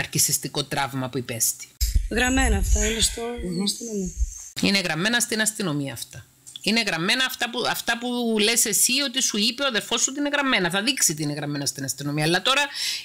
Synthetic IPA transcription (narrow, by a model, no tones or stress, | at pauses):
ɐɾcisist̪iko̞t̪ɾɐvmɐpuipe̞st̪i̥ɣɾɐmenɐːft̪ɐinest̪oɐst̪inomiine̞ɣɾɐmːe̞nɐst̪inɐst̪ino̞miɐːft̪ɐ | ine̞ɣɾɐmːe̞nɐːft̪ɐpuɐft̪ɐpule̞se̞sio̞t̪isuipe̞oðe̞ɾfo̞sot̪iine̞ɣɾɐmːe̞nɐθɐðiksit̪iineɣɾɐmːe̞nɐst̪inɐst̪ino̞miɐːlːɐt̪o̞ɾɐ